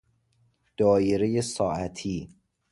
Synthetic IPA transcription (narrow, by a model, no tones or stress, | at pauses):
d̪̥ɒːjeɾejesɒːʔæt̪ʰiː